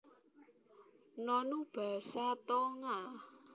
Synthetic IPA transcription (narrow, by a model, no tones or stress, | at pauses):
nɔnub̥a̤sat̪ɔŋa